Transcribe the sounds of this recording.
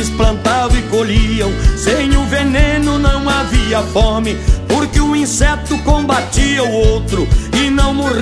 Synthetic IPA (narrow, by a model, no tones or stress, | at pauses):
ɪsplɐ̃nt̪adʊɪkoʎiɐ̃w̃sẽj̃ʊvenẽnʊnɐ̃w̃aviɐfɔɾmɪpoɾkɪʊĩsɛt̪ʊkõbat̪iɐʊowt̪ɾʊɪnɐ̃w̃moʁ